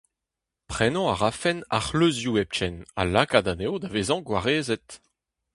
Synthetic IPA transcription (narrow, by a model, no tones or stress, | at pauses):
pχɛnɑ̃aʁafɛna̰χløzjuɛp̚t͡ʃɛna̰lakadanewd̪aveːzɑ̃ɡwaʁeːzɛt̪